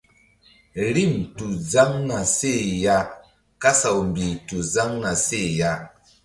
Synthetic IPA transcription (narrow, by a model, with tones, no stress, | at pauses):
ɾi˦˨mtu˨d͡za˦ŋna˨se˦˨ja˦ | ka˦sa˨wmbi˨tu˨za˦ŋna˨se˦˨ja˦